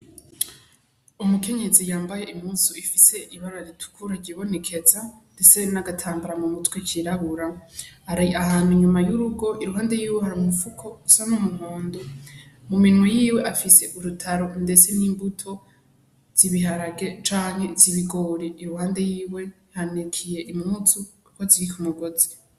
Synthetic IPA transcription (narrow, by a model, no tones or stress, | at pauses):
umuke̞ɲe̞zijaːmbaje̞ʔimuːnsuifise̞ʔiβaɾaɾitʰu̥kʰuɾaɾɟiβo̞ne̞kʰe̞zande̞t͡se̞naɡatʰaːmbaɾamumutwecʰiɾaβuɾahaɾaahaniɲumajuɾuɡo̞ʔiɾuɦaːnde̞jiːwehaɾumufukʰo̞usanomuhuːndumuminwejiːwe̞ʔafise̞ʔuɾutʰaɾo̞nde̞t͡se̞niːmbutʰo̞ | z̥iβiɦaɾaɡe̞t͡ʃaːŋhe̞ziβiɡoːɾeʔiɾuhaːnde̞jiːwe̞ | hanekʰije̞ʔimŋut͡su | koziɾikumuɡo̞zi